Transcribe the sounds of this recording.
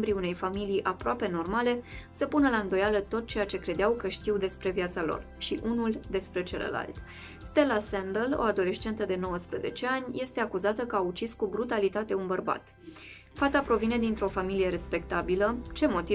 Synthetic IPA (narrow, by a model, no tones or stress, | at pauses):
mbɾiune̞jfamilijʔapɾoape̞no̞rmale̞səpunəlaɨnd̪o̞jalət̪o̞t̪̚t͡ʃe̞jat͡ʃe̞kɾe̞d̪eawkəʃt̪iwd̪e̞spɾe̞vjat̪salo̞̰r | ʃiʔunuld̪e̞spɾe̞t͡ʃelə̰la̰lt̪ | st̪e̞lasend̪əlo̰ad̪o̞le̞st͡ʃe̞nt̪əd̪e̞no̞wəspɾəze̞̰t͡ʃe̞anʲje̞st̪e̞akuzat̪əkəaut͡ʃiskubɾut̪alit̪at̪e̞unbərba̰t̪ | fat̪apɾo̞vine̞d̪int̪ɾo̞familije̞ɾe̞spe̞kt̪abilət͡ʃe̞mo̞t̪i